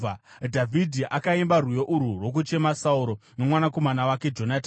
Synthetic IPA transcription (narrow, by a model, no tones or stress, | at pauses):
dʱavʱidʱiʔakaimbarujo̞ʔuɾurwo̞k̬ut͡ʃe̞masauɾo̞no̞mwanako̞manawake̞d͡ʒo̞nata